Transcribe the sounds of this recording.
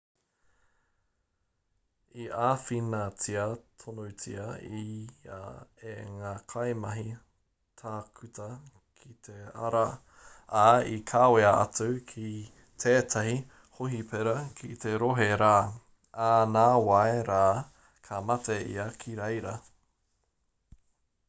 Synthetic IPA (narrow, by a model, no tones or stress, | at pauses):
iʔaːfinat͡siɐtʰonowt͡siɐḭ | eŋaːkʰɐjmɐɦi | tʰaːkʰʉtɐ | kʰitʰeɐ̰ɾɐ | aikʰaːweɐʔɐ̰t͡sokʰi | t̪ʰeːt̪ʰɐhi | hoɦipʰeɾɐkʰit̪ʰeɾoɦeɾaː | aːnaːwaeɾaː | kʰɐmɐteḭɐkʰiɾejɾɐ